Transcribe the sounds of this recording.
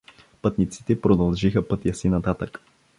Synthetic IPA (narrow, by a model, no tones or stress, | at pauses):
pɤt̪nit̪si̥t̪ɛpɾod̪ɐlˠʒixəpɤt̪jəsinɐt̪at̪ək